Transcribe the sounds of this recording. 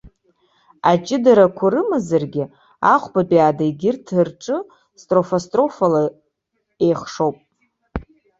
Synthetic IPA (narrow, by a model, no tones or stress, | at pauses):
at͡ʃʼɪdaɾakʷʰaɾɨmazarɡʲɪ | a̰χʷbabiaːdaiɡʲɪrtʰɨrʈ͡ʂʼɨ | stʼro̞fastʼro̞fala | e̞jχʂo̞wpʼ